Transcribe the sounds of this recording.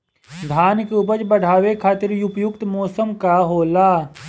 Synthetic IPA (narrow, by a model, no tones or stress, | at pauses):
d̪ʱaːnɪkupət͡ʃbəɽ̤ʱaːʋekʰaːt̪ɪɾjʊpjʊkt̪mɔːsəmkaɦoːlaː